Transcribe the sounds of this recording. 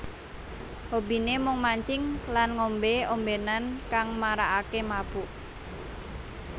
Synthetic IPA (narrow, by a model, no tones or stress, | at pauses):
hobi̤nemʊŋmaɲt͡ʃɪŋlanŋombeombenankaŋmaɾaʔakemab̥uʔ